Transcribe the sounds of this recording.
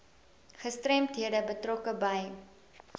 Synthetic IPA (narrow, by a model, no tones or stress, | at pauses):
χəstrɛmtɦiədəbətrɔkəbɐj